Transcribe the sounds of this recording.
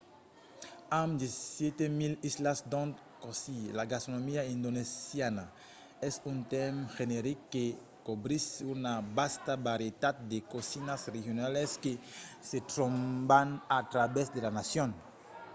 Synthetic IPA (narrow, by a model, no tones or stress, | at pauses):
ãmd̪esjet̪emilislasd̪õnt̪ | kosilaɡast̪ɾonomiaĩnd̪onesjana | ɛsũnt̪ɛmxeneɾikkːe | kobɾisunabast̪abaɾet̪ad̪̚d̪ekosinasrehjonaleskeset̪ɾõmbanat̪ɾabesd̪elanasjõn